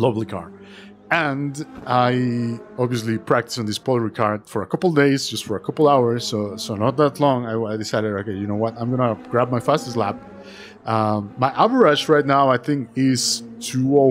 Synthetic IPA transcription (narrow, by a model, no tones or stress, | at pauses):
lobl̩ˠikʰɑ̰ɹ | ɨ̃ndaɪɑbviɨs̬lipʰɹ̥æk̚tɨ̥sɪ̃nðɪspʰɔlˠəɹikʰɑɹdfə˞əkʰʌpl̩ˠdeɪzd͡ʒʌstfə˞əkʰʌpl̩ˠaʊə˞z̥ːoʊsoʊnɔt̪̚ðætˡlɔ̃ŋaɪaɪdɨsaɪɾɨdoʊkeɪjɨnoʊwʌtãɪ̃mɡʌnəɡ̥ɹæb̚maɪfæstɨsˡlæp̚ | ʌmːaɪʔævə˞ad͡ʒɹaɪtⁿnaʊaɪθɪ̃ŋkɪz̥tʰuo